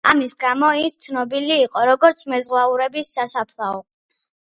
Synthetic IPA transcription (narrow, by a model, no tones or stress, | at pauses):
amisɡamɔist̪sʰnɔbiliːqʼɔɾɔɡɔɾt̪sʰmɛzʁwauɾɛbisːasapʰlˠaɔ